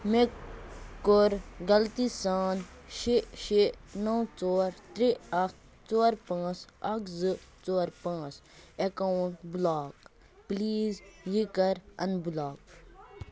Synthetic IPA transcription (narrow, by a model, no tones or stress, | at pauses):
mekː | oɾɡɐlt̪isaːnʃiʃinɐwt͡soːɾt̪ɾiɐkt̪ | t͡soːɾpãːt͡sɐkzɨt͡ʃoːɾpãːt͡sekawɳʈblaːk | pliːzjikɐɾɐ̰nbulaːk̚